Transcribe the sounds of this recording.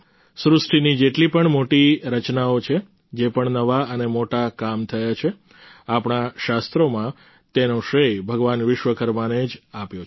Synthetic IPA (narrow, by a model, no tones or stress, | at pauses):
sɾʊsʈʰinid͡ʒeʈlipəɳmoʈiɾət͡ʃnaot͡ʃʰe | d͡ʒepəɳnəʋaənemoʈakamt̪ʰəjat͡ʃʰe | apɳaʃast̪ɾomã | t̪enoʃɾejbʱəɡʋanʋɪʃʋəkəɾmaned͡ʒapjot͡ʃ